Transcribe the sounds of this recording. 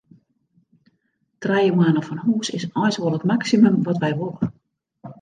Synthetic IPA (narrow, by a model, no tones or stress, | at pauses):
trɛjəmaːnəfɔnhuːsɪsɔjsʋɔlˠətmaksimømʋɔtʋɛjʋolˠə